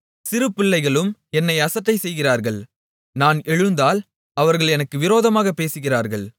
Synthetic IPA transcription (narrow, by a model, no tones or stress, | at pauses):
sɪɾɯpːɪɭːɐɪɣɐɭɯmɛnːɐɪɐsɐʈːɐɪsɛjɣɪraːɾɣɐɭ | naːnɛɻɯnd̪aːl | ɐʋɐɾɣɐɭɛnɐkːɯʋɪɾoːðɐmaːɣɐpeːsɯɣɪraːɾɣɐɭ